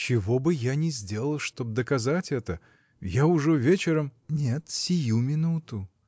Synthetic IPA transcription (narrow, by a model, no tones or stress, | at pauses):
t͡ɕɪvo̞bɨjanʲɪzʲdʲe̞lˠəlˠʂt̪o̞b̚d̪əkɐzatʲɛt̪ə | jaʊʐɛvʲet͡ɕɪɾəmnʲet̪sʲɪjumʲɪnut̪ʊ